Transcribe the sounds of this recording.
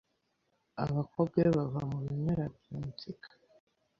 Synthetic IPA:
aβakob̚ɡeβavamuβiɲeɾabjuːmut͡sikʰḁ

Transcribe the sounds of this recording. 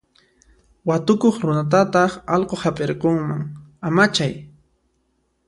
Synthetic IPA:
wat̪ʊkoχɾʊnat̪̬at̪ɑχɑlqohapʼeɾqoŋmaŋamat͡ʃaj

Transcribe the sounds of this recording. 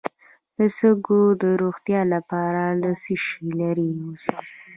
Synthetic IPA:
d̪̥əsəɡod̪əɾoɣt̪jɑlapɑɾaləsiʃilaɾiosa

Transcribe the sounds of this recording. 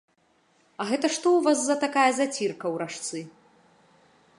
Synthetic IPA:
ɐɣɛt̪ɐʂt̪ɔwvazːɐt̪akajɐzat͡sʲirkɐwɾaʂt̪sɨ

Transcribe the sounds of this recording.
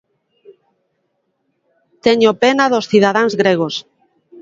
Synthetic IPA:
t̪eɲopenaðosθiðaðaŋzɣɾeɣ̞os

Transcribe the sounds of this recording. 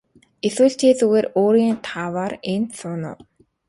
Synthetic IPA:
eswuːɬt͡ɕʰeːɮuɣeːroːɾiːnt̪ʰaːwaːrensʰʊːnʊ̰ːw

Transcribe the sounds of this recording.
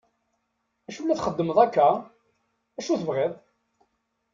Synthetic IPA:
æʃulːæθχəd̪ːəməðˤækːæ | æʃuθəvʁeðˤ

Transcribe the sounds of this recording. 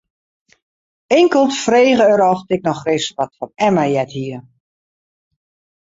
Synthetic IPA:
ɪŋkəlˠtfreːɣəəɾɔftɪk̚nɔxrɪsʋɔtfɔnɛməjɛthiə

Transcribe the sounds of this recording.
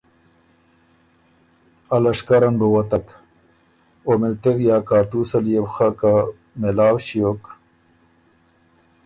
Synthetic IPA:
ɐlɐʂkɐɾɐnbəwɐt̪ɐk | omelt̪eɣjaːkaːʈuːsɐljebxaka | melaːwɕijok

